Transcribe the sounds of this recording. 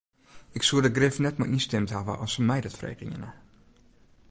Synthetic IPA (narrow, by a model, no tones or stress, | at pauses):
ɪksuədəɡrɪfnɛtməʔinstɛmtɦavə̰ʔɔsəmɛjdɔtfrḛjkɪ̰ə̰nə